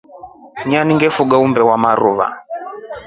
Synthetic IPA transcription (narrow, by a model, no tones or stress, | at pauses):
ɲaniŋɡɛfuɡaumbɛwamaɾuβa̰